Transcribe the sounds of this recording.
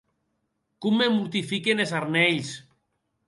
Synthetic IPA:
kumːemuɾt̪ifikenesaɾnɛʎs

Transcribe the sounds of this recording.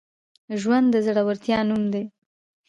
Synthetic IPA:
ʒwand̪d̪ːəzaɽawaɾt̪jɑnumd̪e

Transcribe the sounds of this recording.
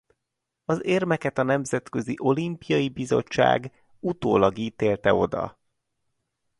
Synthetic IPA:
ɒzeːrmɛkɛt̪ɒnɛmzɛt̪kø̞ziʔo̞limpijɒjibizo̞̰t͡ʃːa̰ːɡ | ut̪oːlɒɡiːt̪eːlt̪ɛo̞d̪ɒ̰

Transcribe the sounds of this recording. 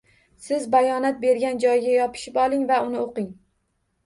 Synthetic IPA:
sɪzbajɒnat̪̚be̞ɾɡʲand͡ʒɒjɡʲajɒpʰɪ̥ʃɪpɒlˠɪŋvaʊnɪoqɪŋ

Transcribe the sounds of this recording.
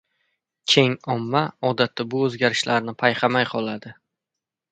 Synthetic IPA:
t͡ʃʲʰe̞ŋɒmːaɒd̪at̪ːabʊɵzɡʲaɾɪʃlaɾnɪpʰajqʰɑmajqʰɒlˠad̪ɪ

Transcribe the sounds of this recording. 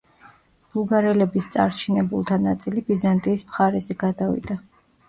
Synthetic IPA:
b̥uɡaɾɛlɛbist̪sʼa̰ɾt͡ʃʰinɛbulˠt̪ʰanat̪sʼilibizant̪ʼiːsmχaɾɛzɛɡ̥ad̪avḭd̪a

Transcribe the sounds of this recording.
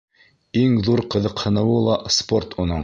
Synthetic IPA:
iŋðuɾqɤ̆ðɤqhɤ̆nɤ̆wɤlˠɑsport̪ʰunoɴ

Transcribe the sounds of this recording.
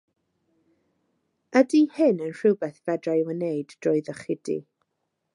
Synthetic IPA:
adiːhɨnənr̥ɨwbɛθvɛdrajwənejdd̥rɔːɨðəχɪdḭ

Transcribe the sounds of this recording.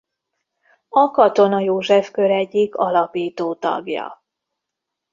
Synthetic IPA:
ɒkɒt̪o̞nɒjoːʒɛfkø̞ɾɛɟːikʰɒlɒpiːt̪oːt̪ɒ̰ɡjɒ̰

